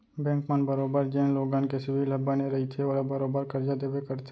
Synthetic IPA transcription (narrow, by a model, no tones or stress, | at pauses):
bɛ̃ːŋkmənbəɾoːbəɾd͡ʒɛ̃ːnloːɡãːnkesɪbʱilɐbaneɾɐɦit̪ʰeoːɾabɐɾoːbəɾkɐɾd͡ʒad̪eːwekɐɾt̪ʰe